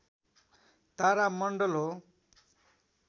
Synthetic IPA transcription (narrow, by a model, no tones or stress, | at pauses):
t̪aɾamʌɳɖʌlɦo